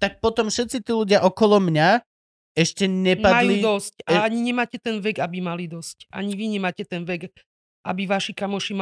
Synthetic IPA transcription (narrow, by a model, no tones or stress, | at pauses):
t̪ak̚pɔt̪ɔmfʃɛt̪t͡sit̪iːluɟɪaʔɔkɔlɔmɲa | ɛʃcɛɲɛmadaj̪ulːid̪ɔscaaɲiɲɛmaːcɛt̪ɛnʋɛɡabimalid̪ɔscʔa̰ɲiʋiɲɛmaːcɛt̪ɛnʋɛɡ | ʔa̰biʋaʃikamɔʃim